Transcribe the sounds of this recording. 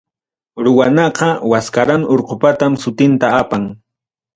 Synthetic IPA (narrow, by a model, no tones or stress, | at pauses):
ɾʊwanɑqɑwaskaɾanoɾqopat̪amsʊt̪ɪnt̪aapaŋ